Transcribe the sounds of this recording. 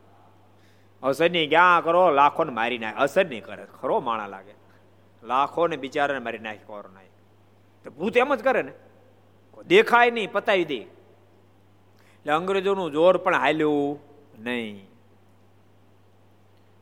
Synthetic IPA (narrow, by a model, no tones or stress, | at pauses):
əsəɾnĩːɡjãːkəɾoːlaːkʰoːnemaːɾina̰ːkʰəsəɾniːkəɾḛkʰəɾoːma̰ːɽ̃a̰ːla̰ːɡe | laːkʰoneɓɪt͡ʃaːɾonemaːɾinaːkʰi̥ko̰ːɾo̰na̰ːi | t̪obuːt̪eməd͡ʒkəɾene | kod̪ekʰaːjnəĩpət̪aːʋid̪e | leəŋɡɾed͡ʒonũːd͡ʒoːɾpəɳɦalju | nəĩ